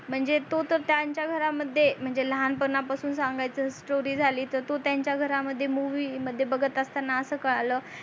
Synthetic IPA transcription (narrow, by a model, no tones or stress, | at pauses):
m̤əɳd͡zet̪ot̪əɾt̪jaɲt͡ɕjaɡʱəɾaməd̪ʱːjem̤əɳd͡zeləɦanpəɡnapasuːnsaŋɡajt͡səːsʈoɾiːd͡zʱaliːt̪əɾt̪ot̪jaɲt͡ɕjaɡʱəɾaməd̪ʱːjemuʋiːməd̪ʱːjebəɡət̪əst̪anːaəsəːkəɭaləː